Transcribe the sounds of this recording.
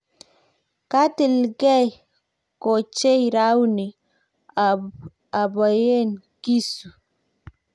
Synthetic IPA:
ka˦ti˨lɡɛ˦ | kɔ˨t͡ʃe˦jɾa˦wni˨ | a˨ba˨je˦n | ki˦su˨

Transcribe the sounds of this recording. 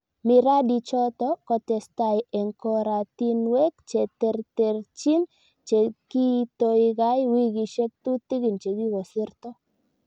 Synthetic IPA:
mi˨ɾa˦di˨t͡ʃɔ˦t̪ɔ˦kɔ˨t̪ɛ˨st̪a˨je˨ŋkɔ˦ɾa˨t̪i˦nwe˦k̚t͡ʃɛ˨t̪ɛ˨rt̪e˨rt͡ʃi˦n | t͡ʃe˨ki˦t̪o˦iɡa˦jwi˦ɡi˨ʃe˦k̚t̪u˦t̪i˦ɡi˨nt͡ʃe˨ɡi˦ɡɔ˨sɪ˦rt̪ɔ˦

